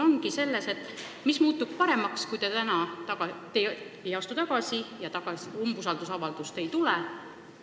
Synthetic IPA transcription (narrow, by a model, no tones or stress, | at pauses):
o̞ŋɡise̞lːe̞se̞t̪ːˑ | mismuːt̪ːubpɑɾe̞mɑkskujt̪et̪ænɑt̪ɑɡɑt̪e | ejɑst̪ut̪ɑɡ̥ɑsijɑt̪ɑɡ̥ɑsumbusɑld̪̥usɑvɑld̪̥ust̪e̞jt̪ulɛ